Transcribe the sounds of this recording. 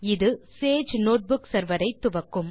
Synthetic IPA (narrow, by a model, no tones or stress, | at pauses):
ɪðɯseːd͡ʒnoːʈ̚bʊksɐɾʋɐɾɐɪt̪ːʊʋɐkːɯm